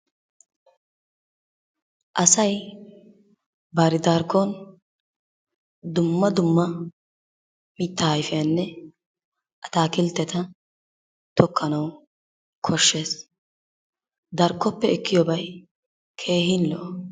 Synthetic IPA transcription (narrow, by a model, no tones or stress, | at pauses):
ʔɐsɐj | baɾɪd̪aːɾkːon | d̪ʊmːɐd̪ʊmːɐ | mit̪ːɐhɐjfɪjaːnːɛ | ʔɐt̪aːkɪlt̪ːɛt̪ɐ | t̪ʰɔkʰːɐnɐw | kʰɔʃːe̞ːs | d̪ɐɾkːɔpːɛɪkːɪjɔbɐj | kʰe̞ːhɪnːɔ̰ʔ